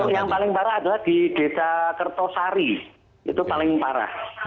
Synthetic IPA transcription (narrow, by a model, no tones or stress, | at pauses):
jaŋpalɪŋpaɾaːd̪alahd̪̥id̪̥e̤sakərt̪ɔsaɾi | ḭt̪upalɪŋpaɾa̰h